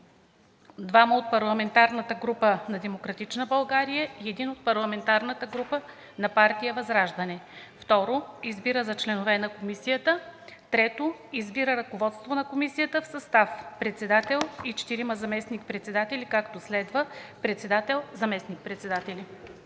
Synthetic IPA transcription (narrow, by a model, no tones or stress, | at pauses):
d̪vaməot̪̚pɐɾlˠɐmɛnt̪aɾnət̪əɡɾupənɐd̪ɛmokɾɐt̪it͡ʃnəbɐlˠɡaɾijəiɛd̪inot̪̚pɐɾlˠɐmɛnt̪aɾnət̪əɡɾupə | nɐpaɾt̪ijəvɐzɾaʒd̪ɐnɛft̪ɔɾoizbiɾəzɐt͡ʃlɛnovɛnɐkomisijət̪ət̪ɾɛt̪oizbiɾəɾɐkovɔt̪st̪vonɐkomisijət̪əfsɐst̪afpɾɛt̪sɛd̪at̪ɛlˠit͡ʃɛ̥t̪iɾiməzɐmɛsnik̚pɾɛt̪sɛd̪at̪ɛlʲikakt̪oslɛd̪vəpɾɛt̪sɛd̪at̪ɛlˠzɐmɛsnik̚pɾɛt̪sɛd̪at̪ɛli